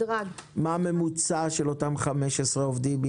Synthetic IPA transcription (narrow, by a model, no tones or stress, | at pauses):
ʁaɡmaːme̞mut͡saʃelo̞tamχameʃesʁeovd̪imbi